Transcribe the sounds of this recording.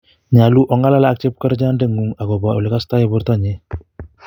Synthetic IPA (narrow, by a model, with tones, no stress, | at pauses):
ɲa˨lu˦ʔɔ˨ŋɡa˦la˦la˦a˨k̚t͡ʃɛ˦p̚ka˦ɾd͡ʒa˦nde˦ŋu˨ŋa˨kɔ˨ba˨u˨lɛ˨ka˦sta˦jɛ˨bɔ˦ɾtɔ˦ɲɛ˦